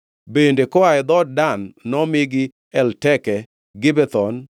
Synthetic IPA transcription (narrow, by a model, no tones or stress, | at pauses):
bendekɔaɛd̪ɔd̚danːɔmɪɡɪ | ɛltɛkɛ | ɡɪbɛt̪ɔn